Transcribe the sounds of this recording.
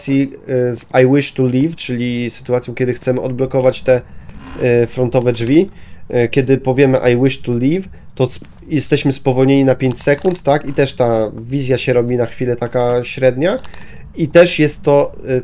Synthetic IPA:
sʲjizajwɘʂt̪ulʲift͡ʂɘlʲisɘ̥t̪uat̪sjɔ̃kʲɛd̪ɘxt̪sɛmɘʔɔd̪̚blɔkɔvat͡ɕt̪ɛ | fɾɔnt̪ɔvɛd͡ʐvʲikʲɛd̪ɘpɔvʲjɛmɘʔajwɘʂt̪ulʲiv | t̪ɔs | jɛst̪ɛɕmɘspɔvɔlɲeɲinapʲjeɲt͡ɕsɛkunt̪ːakit̪ɛʂt̪avʲizʲjaɕɛɾɔbʲinaxfʲilɛt̪akaɕɾɛd̪ɲa | it̪ɛʂjɛst̪ːɔ

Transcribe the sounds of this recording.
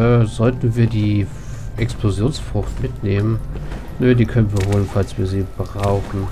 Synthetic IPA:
ɛːzɔltn̩viːɐdiː | ʔɛksplozjoːnsfʁ̥ʊxtmɪtneːmən | nødiːkʰœnənviːɐɦoːlənfalsv̥iːɐziːbəʁaʊxn̩

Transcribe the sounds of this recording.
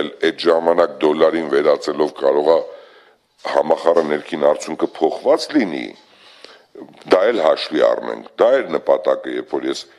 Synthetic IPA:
ɛlɛd̪ʒɑmɑnɑk̚d̪ɔlːɑɾinvɛɾɑt͡sɛlɔvkɑɾɔʁɑ | hɑmɑχɑrənɛɾkʰinɑɾt͡sʰjuŋkʰəpʰɔχvɑt͡slinḭ | d̪ɑɛlhɑʃviɑ̰rnɛ̰ŋkʰd̪ɑɛɾnəpɑt̪ɑkəjɛɾpfɔɾjɛs

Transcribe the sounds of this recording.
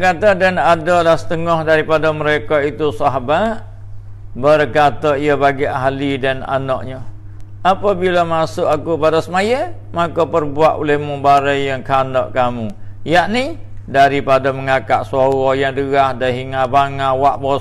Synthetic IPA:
kat̪adanadɔlahsə̥t̪əŋɔhdaɾipadəməɾekait̪usaɦabaʔ | bərkat̪ɔiəbaɡiʔaɦlidana̰nɔʔɲə | apabiləmasʊʔakupadɔsəmajə | makɔpərbuaʔo̰lɛhmubaɾajjaŋkanɔʔkamujaʔni | daɾipadaməŋakaʔsaɣɔjaŋdəɣahdaɦiŋabaŋawaʔbɔ

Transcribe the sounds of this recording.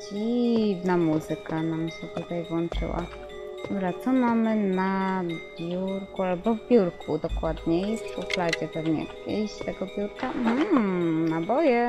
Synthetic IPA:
d͡ʑivnamuzɨkanamɕɛt̪ut̪ajvwɔnt͡ʂɘ̰wa̰ | d̪ɔɾat̪sɔmamɘnabʲjuɾkualbɔvbʲjuɾkʰud̪ɔkwad̪ɲɛjɛst̪fuplad͡ʑɛpɛvɲɛ̰kʲeɕt̪ɛɡɔbʲjuɾkam̩nabɔjɛ

